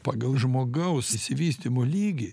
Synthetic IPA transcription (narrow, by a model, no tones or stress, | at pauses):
pɑːɡɐlˠʒmoːɡɐʊsɪsʲɪʋʲiːsʲt̪ʲɪmolʲiːɡʲi